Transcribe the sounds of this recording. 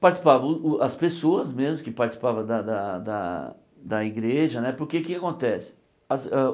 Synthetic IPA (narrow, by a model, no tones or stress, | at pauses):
paɾt͡ʃisi̥pavɐ̃ʊɐspesoɐzmezmʊkɪpaɾt͡ʃisi̥pavɐ̃d̪ɐd̪ɐd̪ɐ̰ | d̪ɐiɡɾeʒɐnɛpoɾkekekakõt̪ɛsɪ̥ | ɐzɛ